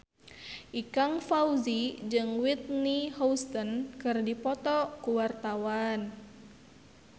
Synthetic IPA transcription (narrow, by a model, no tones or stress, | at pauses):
ʔikaŋfauzid͡ʒɨŋwit̪̚nihɔwst̪ənkɨrdipɔt̪ɔkuwart̪awan